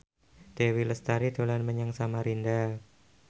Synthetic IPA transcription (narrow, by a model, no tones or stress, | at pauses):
d̪̥ewiləst̪aɾid̪̥o̤lanməɲaŋsamaɾinda